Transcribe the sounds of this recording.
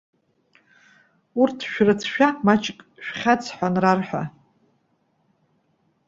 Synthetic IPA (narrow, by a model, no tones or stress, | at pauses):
urtʰʃᶣrɨt͡sʰʃᶣamat͡ʃʰʼkʼʃᶣχʲat͡sʰħʷanrarħʷᶣa̰